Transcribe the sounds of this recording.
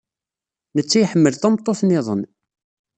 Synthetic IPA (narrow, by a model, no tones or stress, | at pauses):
nət͡sːæjħəmːəlθæmt̪ˤːoθnɪðˤə̰n